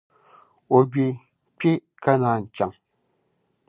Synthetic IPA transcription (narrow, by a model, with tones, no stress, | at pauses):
o˨ɡɥe˨ | pe˦ | ka˦na˨˦n̩˨t͡ʃa˨ŋ